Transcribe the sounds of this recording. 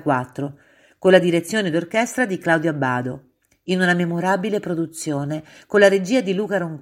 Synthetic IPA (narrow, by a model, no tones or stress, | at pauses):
kwat̪ːɾo | konlːad̪iɾet̪sːjoːned̪orkɛst̪ɾad̪iklawd̪joabːaːd̪o | inunamemoɾaːbilepɾod̪ut̪sːjoːnekolaɾed͡ʒiːad̪iluːkaɾoŋk